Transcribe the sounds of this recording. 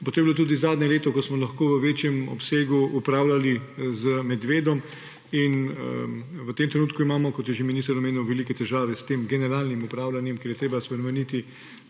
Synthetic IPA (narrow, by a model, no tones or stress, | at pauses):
pot̪oːjɛbiloːt̪uːd̪izaːd̪ɲɛleːt̪ɔkɔsmɔlɐxkoːʋəʋeːt͡ʃjɛmɔ̰pseːɡuupɾaːwlalizəmɛd̪ʋeːd̪ɔm | in | ʋət̪eːmt̪ɾɛnuːt̪kuimaːmɔkɔt̪jɛʒeminist̪ɐɾɔmeːniwʋɛlikɛt̪ɛʒaːʋɛst̪eːmɡɛnɛɾaːlnimupɾaːwlanjɛmkjeːɾjɛt̪ɾeːbaspɾɛmɛnit̪i